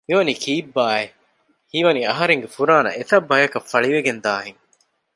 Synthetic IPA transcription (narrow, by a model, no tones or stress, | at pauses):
hiʋɐniːkʰiːbːaːe | hiʋɐniɐɦɐɾeŋɡefuɾaːnɐ̰et̪ɐbːɐjɐkɐfːɐɭiʋeɡend̪aːɦeŋ